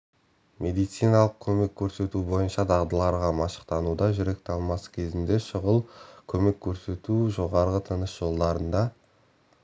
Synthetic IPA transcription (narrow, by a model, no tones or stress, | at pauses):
mʔe̞d̪ijt̪sijnɑlˠəq̚kʲʰɵme̞kʲʰːɵɾse̞t̪ubo̞jənʃɑd̪ʰɑʁd̪əlˠɑɾʁɑmɑʃə̥qt̪ɑnud̪ɑʒʏɾe̞k̚t̪ɑlˠmɑsə̥kʲʰe̞zɪnd̪e̞ʃəʁəlˠkʲʰɵme̞kʲʰːɵɾse̞t̪uʒo̞ʁɑɾʁət̪ʰənəsʒ̥o̞lˠd̪ɑɾənd̪ɑ